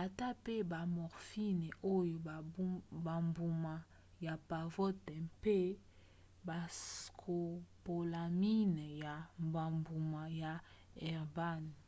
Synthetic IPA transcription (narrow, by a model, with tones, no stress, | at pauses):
a˨ta˦pe˦ba˨mɔ˨ʁfi˦nɛ˨o˦jo˨˦ba˨mbu˨ma˨ | ja˨pa˨vɔ˦tɛ˨mpe˦ | ba˨skʰo˨po˨la˨mi˦nɛ˨ja˨mba˨mbu˨ma˨ja˨ | ɛ˨ʁba˦n˨